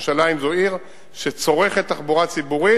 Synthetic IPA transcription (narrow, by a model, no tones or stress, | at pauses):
ʃalaimzo̞iʁ | ʃet͡so̞ʁe̞χet̪ːaχbuʁat͡sibuʁi